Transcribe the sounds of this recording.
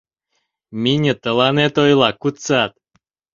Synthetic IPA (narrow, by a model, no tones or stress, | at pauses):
mʲinʲət̪ə̆lˠɑnet̪ojlˠɑkut̪t͡sɑt̪